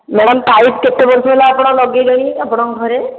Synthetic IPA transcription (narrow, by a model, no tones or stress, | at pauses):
mɛɽɔmtaiʈ̚ket̪ebɔɾsɔbelaːpɔɽ̃ɔlɔɡeɡɔɽ̃iapɔɽ̃ɔɡʱɔɾe